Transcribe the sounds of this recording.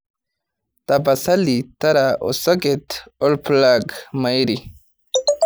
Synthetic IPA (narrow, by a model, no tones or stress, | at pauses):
t̪abasalit̪aɾaʔo̰soɡet̪olplaɡmajɾi